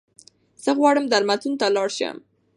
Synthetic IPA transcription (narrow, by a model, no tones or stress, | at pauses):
z̥əɣwɑɽəmd̪aɾmat̪unt̪alɑɽʃə̰m